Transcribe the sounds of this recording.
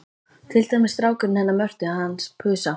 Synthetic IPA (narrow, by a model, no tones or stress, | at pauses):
t̪ʰɪlt̪ajmɪst̪ɾaːwkʏɾɪnhɛnːamœr̥t̪ɪaðhanːspʰʏːsa